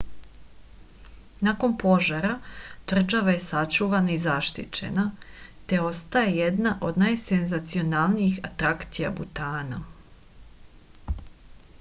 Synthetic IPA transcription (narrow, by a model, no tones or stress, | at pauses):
nako̞npo̞ʒaɾat̪r̩ʒaʋaje̞sat͡ʃuʋanaizaʃt̪ḭt͡ʃe̞̰nat̪e̞o̞st̪ajejed̪naʔo̞d̪naːjsenzat̪sio̞nalˠnijixat̪ɾakt̪ija̰but̪aːna